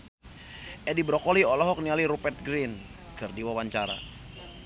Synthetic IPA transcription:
ʔɛdibɾɔkɔliɔlɔɦɔk̚nialiɾupɛrt̪̚ɡɾin | kɨrdiwawaɲt͡ʃaɾa̰

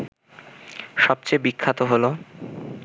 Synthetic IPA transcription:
ʃɔb̚t͡ɕejbikʰːat̪oɦolo

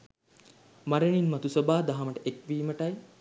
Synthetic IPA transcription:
maɾəɳinmɐt̪usobaːd̪aɦaməʈəʔekʋiːməʈɐj

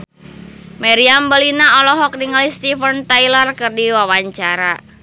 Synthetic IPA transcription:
mɛɾiambəlinaɔlɔɦɔk̚niŋalist̪ifənt̪ajlərkɨrdiwawaɲt͡ʃaɾa

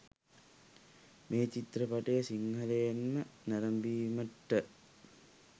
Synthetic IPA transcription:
mʔeːt͡ʃit̪rəpaʈejəsiŋɦɐlejenmənæɾɐmbiːməʈːə

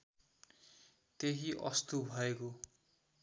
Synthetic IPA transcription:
t̪eɦiʔʌst̪ubʱʌeko

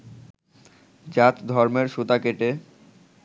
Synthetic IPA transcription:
d͡ʑat̪d̪ʱɔɾmeɾʃut̪akeʈe

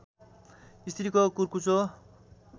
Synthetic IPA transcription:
ist̪ʰiɾikokurkut͡so

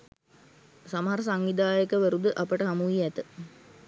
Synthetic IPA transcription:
saməɦaɾəsaŋʋid̪aːjəkəʋəɾud̪əʔapəʈəɦamuʋiæt̪ə

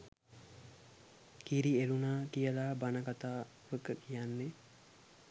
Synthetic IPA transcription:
kiɾielunaːkijəlaːbanəkat̪aː | ʋəkəkijanːe

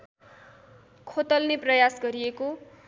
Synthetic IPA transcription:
kʰot̪ʌlneprʌjasɡʌɾijeko

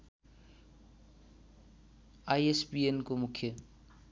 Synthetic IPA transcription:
ajespienkomukʰːjə

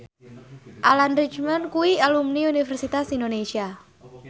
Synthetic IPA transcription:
ʔalanrit͡ʃmankuwialumniunifɛrsit̪asindonesia

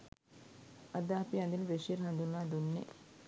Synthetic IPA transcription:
ad̪əːpiɐnd̪iləʋeʂieɾɦand̪unːaːd̪unːḛ

